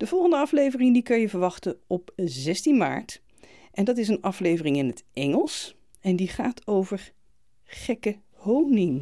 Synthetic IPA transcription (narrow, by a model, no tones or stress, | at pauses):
d̥əvɔlˠχəndəɑflejvərɪŋdikɑnjəvəɹʋɑχtəɔpzɛstinma̰ːɹt | ʔɛndɑtɪs̬ənɑflejvərɪŋɪnɦətɛŋəlˠs | ɛndiχaːtʰowvəɹ | χɛkə | hownɪŋ